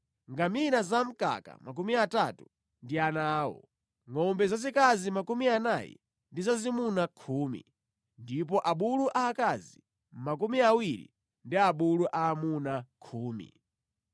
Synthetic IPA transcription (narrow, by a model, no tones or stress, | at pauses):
ŋɡaminazam̩ka̰ka̰mak̬umiatatu | ndianaːwɔ̰ | ŋɔmbɛzazikazimakumianajɛ̰ | ndizazimunakʰuːmḭ | ndip̬ɔʔaɓuluʔaːkazi | mak̬umiawiɾḭ | ndiaɓuluʔaːmunakʰuːmḭ